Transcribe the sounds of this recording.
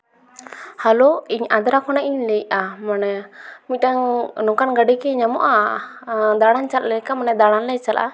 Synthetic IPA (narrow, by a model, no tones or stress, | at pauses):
haloiɲad̪ɾakʰɔnaʔiɲlɛjamanɛmit̪̚ˀʈaŋnɔkanɡəɖikɛɲamɔ̰ʔa | d̪aɽ̃ant͡ʃat̪̚lɛjkamanɛd̪aɽ̃anlɛjt͡ʃalʔa̰